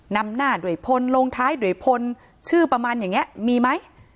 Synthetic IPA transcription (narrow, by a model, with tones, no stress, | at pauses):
na˧mnaː˥˩du˨˩əjpʰo˧nloː˧ŋt̪ʰaː˦˥jdu˨˩əjpʰo˧n | t͡ɕʰɯː˥˩pɾa˧maː˧njaː˨˩ŋːi˦˥ɐmiː˧ma˦˥j